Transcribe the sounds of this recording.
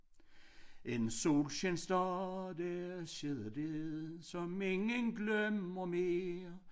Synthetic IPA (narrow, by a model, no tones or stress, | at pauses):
ensoːlɕensd̥ɑd̥æɕeðˠd̥eðsɒ̽meŋənɡ̥lœmɐmeːɐ